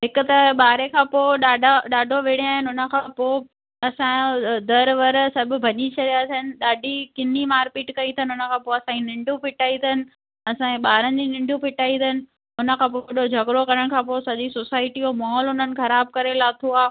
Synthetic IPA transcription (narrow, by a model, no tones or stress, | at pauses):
ɦɪkʊ̆t̪ɐɓaːɾekʰãːpoːɗaːɖʱaɗaːɖʱoʋeɽ̃eaːɦɪnɪʊnə̆kʰãpoː | ɐsãd̪ɐɾʋɐɾsɐbʱʊ̆bʱɐɲit͡ɕʰɐɗijaːt̪ʰənɪ̆ɗaːɖʱikɪnimaːɾpiːʈkɐĩt̪ʰənɪʊnə̆kʰãːpoːɐsãːinɪ̃ɳɖʱjũpʰɪʈaːĩt̪d̪ənɪ̆ | ɐsãẽɓaːɾənɪ̆d͡ʑinɪ̃ɳɖjũpʰɪʈaːĩd̪ənɪ̆ | ʊnə̆kʰãːpoɗod͡ʑʱɐɡɾokɐɾəɽ̃kʰãːpoːsɐʄisoːsaːɪʈiomɔːɦlʊnənɪ̆xɐɾaːb̚kɐɾelaːt̪ʰuaː